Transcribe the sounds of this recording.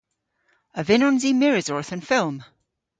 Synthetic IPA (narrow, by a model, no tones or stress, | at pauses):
əvɪnɔ̃nzimɪɹɪzɔɹθə̃nfɪlˠm